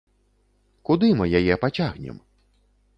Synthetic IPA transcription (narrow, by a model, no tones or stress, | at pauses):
kud̪ɨmɨjajɛpat͡sʲaɣnʲɛ̰m